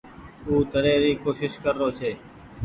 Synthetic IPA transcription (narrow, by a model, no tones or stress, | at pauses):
uːt̪əɾẽːɾiːkoːʃɪʃkəɾːoːt͡ʃʰeː